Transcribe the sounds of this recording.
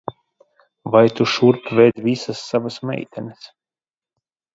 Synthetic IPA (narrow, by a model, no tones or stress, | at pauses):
vajt̪uʃuɾpvɛjd̪visɐsːavasmɛ̰jt̪ʰʲɛnʲɛs